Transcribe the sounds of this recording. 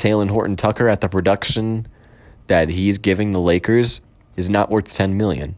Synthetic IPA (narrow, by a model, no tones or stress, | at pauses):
tʰeɪlˠə̃nɦɔɹʔn̩tʰʌkə˞ɨt̪̚ðɨpʰɹ̥ɨdʌkʃɨ̃n | ðɨt̚ɦizɡɪvɪ̃ŋðəleɪkə˞z | ɨznəʔwɜ˞θtʰɛ̃nmɪlˠjɨ̰̃n